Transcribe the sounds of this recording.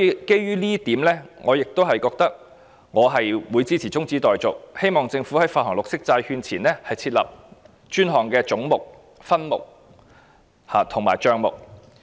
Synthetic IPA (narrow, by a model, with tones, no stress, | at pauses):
sɔː˧˥˧ke˥jɥyː˥liː˥t̪iː˨˥mlɛː˥ŋɔː˨˧jɪ˨k̚t̪o˥wɦɐ˨jkɔː˧k̚t̪ɐ˥k̚ | ŋɔː˨˧ɦɐ˨jwuː˨˧jt͡siː˥t͡sʰiː˨˩t͡sʊ˥ŋt͡siː˨˥t̪ɔː˨jt͡sʊ˨k̚he˥jmɔː˨ŋt͡sɪ˧ŋfuː˨˥hɐ˨˥jfaː˧hɔː˨˩ŋlʊ˨k̚sɪ˥k̚t͡saː˧jhyː˧nt͡sʰiː˨˩nɛː˥hɐ˨jt͡sʰiː˧t̚lɐ̰˨p̚ | t͡ʃyː˥nɦɔː˨˩ŋkɛː˧t͡sʊ˨˥ŋmʊ˨k̚ | fɐ˥nmʊ̰˨k̚ | haː˨˩t̪ʰʊ˨˩ŋma̰ː˨˩jt͡ʃœː˧ŋmʊ̰˨k̚